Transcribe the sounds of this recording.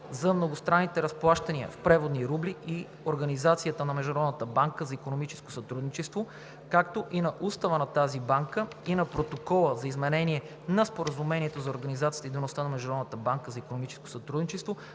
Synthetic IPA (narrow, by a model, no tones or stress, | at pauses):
zɐmnoɡʊst̪ɾanːit̪ɛɾɐsplˠaʃt̪ɐniə̰fpɾɛvod̪niɾubliʔi | oɾɡɐnizat̪sijət̪ənɐmɛʒd̪ɾɔd̪nət̪əbaŋkəzɐikonomit͡ʃɛ̥sko̥sɐt̪ɾud̪nit͡ʃɛst̪vo | kakt̪oʔinɐʔust̪ɐvənɐt̪azibaŋkə | inɐpɾot̪okɔlˠəzɐizmɛnɛniɛ | nɐspoɾəzumɛniɛt̪ozɐoɾɡɐnizat̪iət̪id̪onost̪anɐmɛʒd̪ɾɔd̪nət̪əbaŋkəzɐikonomit͡ʃɛ̥sko̥sɐt̪ɾud̪nit͡ʃɛst̪vo